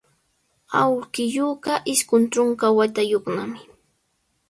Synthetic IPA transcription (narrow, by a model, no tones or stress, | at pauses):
awkɪjoːɢɑʔɪʃkʊnʈ͡ʂoɴkawat̪ajoχnamɪ